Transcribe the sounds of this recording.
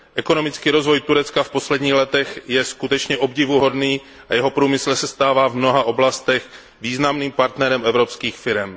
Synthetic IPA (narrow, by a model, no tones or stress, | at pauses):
ʔɛko̞no̞mɪt͡skiːɾo̞zvo̞jt̪uɾɛt͡skafpo̞slɛdɲiːxlɛt̪ɛxjɛskut̪ɛt͡ʃɲɛʔobɟɪvuɦo̞dniː | ʔajɛɦo̞pɾuːmɪsl̩sɛst̪aːvaːvmno̞ɦaʔo̞blast̪ɛx | viːznamniːmpaɾt̪nɛɾɛmɛvɾopskiːxfɪɾɛm